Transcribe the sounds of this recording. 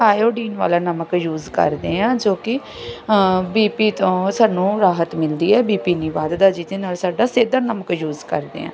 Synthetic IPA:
aːjoːɖiːnʋa̰ːlaːnəməkjuːzkə̰ɾd̪eːãːd͡ʒoːkɪ | biːpiːt̪õːsaːnũːɾaːɦət̪mɪld̪iːɛːbiːpiːniːʋaːd̪d̪aːd͡ʒɪt̪eːnaːlsaːɖaːseːd̪aːnəməkjuːzkə̰ɾd̪ḛːã̰ː

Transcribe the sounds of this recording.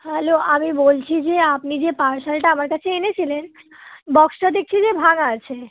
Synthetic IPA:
hɛloamibolt͡ɕʰid͡ʑeapnid͡ʑepaɾsalʈaamaɾkat͡ɕʰeenet͡ɕʰilen | bɔksʈad̪ek̚ʰt͡ɕʰid͡ʑebʱaŋat͡ɕʰe

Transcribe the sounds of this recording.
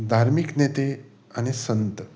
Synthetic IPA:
d̪ʱaɾmiknet̪e | añisənt̪ə

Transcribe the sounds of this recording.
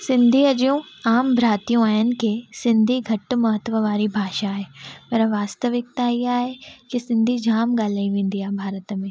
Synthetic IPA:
sɪ̃nd̪ʱiɐd͡ʑijũaːmbʱɾaːt̪ijũaːɦɪnɪ̆kesɪ̃nd̪ʱiɡʱɐʈmɐɦət̪ʋəʋaːɾibʱaːʃaːɦeːpɐɾʋaːst̪əʋɪk̚t̪aiaːɦekɪsɪ̃nd̪ʱid͡ʑʱaːmɡaːl̤aːiʋẽːn̆d̪iaːɦebʱaːɾət̪mẽː

